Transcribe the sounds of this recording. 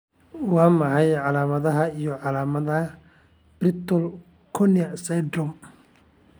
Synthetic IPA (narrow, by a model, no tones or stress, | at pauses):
wɑːmɐħɑjʕɑlaːmɐðɐɦɐijɔʕɑlaːmɐðɐ | b̥rɪt̪ʰɔl | kʰɔnɪɐsɛd̪ɔm